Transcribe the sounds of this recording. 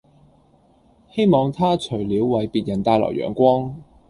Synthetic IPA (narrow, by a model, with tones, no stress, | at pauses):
he˥jmɔː˨˧ŋt̪ʰaː˥t͡sʰɵ˨˩ɥliː˨˥wːɐ˨˥jpiː˨˧t̚jɐ˨˩nt̪aː˧jlɔ̰ː˨˩wɥœ̰ː˨˩nkʷwɔː˥ŋ